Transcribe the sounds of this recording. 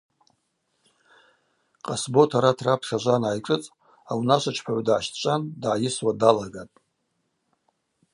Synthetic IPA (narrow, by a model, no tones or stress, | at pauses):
qʼasbo̞tʰaɾatʰrapʰχʲaʒʷanaajʈ͡ʂʼɨt͡sʼ | awnaʃʷat͡ʃʰpʰaʕʷdʕaʃt͡ʃʷʼandʕajɪswadalaɡatʼ